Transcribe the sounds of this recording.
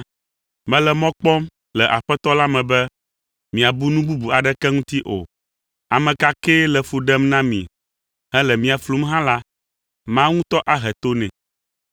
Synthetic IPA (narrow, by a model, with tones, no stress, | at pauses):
mɛ̃˨˦lɛ˨mɔ̃˦k͡pɔ˦m | lɛ˨ʔa˨ɸɛ˦t̪ɔ˦la˦mɛ̃˨bɛ˦ | mĩ˨a˨bu˦nũ˦bu˦bu˨a˨ɖɛ˦kɛ˦ŋũ˦t̪i˦ʔo̰˨ | a˨mɛ̃˨ka˦kɛ˦lɛ˨fu˨ɖɛ˦mnã˦mḭ̃˨ | ɦɛ˦lɛ˨mĩ˨a˨flu˦mɦã˦la˦ | mã˦ŋũ˦t̪ɔ˦ʔa˦ɦɛ˨t̪o˦nɛ̰̃˨